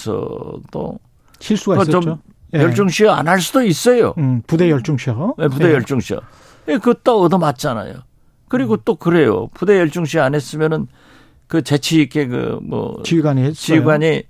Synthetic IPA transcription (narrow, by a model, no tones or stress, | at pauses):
sʰʌ̰t͈o̰ | ɕʰis͈ukt͡ɕom | jʌɭt͡ɕ͈uŋɕʰia̰nɦaɭs̬͈udois͈ʌjo̰pudejʌɭt͡ɕ͈uŋɕʰjep̬ude̞jʌɭt͡ɕ͈uŋɕʰiʌ̰ | jekɯt͈ʌːdʌmat̚t͡ɕ͈ana̰jo̰ | kɯɾiɡot͈okɯɾe̞jo̰pude̞jʌɭt͡ɕ͈uŋɕ̬ʰianɦe̞s͈ɯmjʌnɯn | kɯt͡ɕe̞t͡ɕʰiːk͈e̞kɯ̰mʌ̰iɡant͡ɕiɡwaɲi